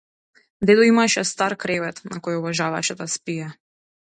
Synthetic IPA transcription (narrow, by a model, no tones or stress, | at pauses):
d̪ɛd̪ɔimaʃɛst̪aɾkɾɛvɛt̪nakɔjɔvaʒava̰ʃɛd̪aspija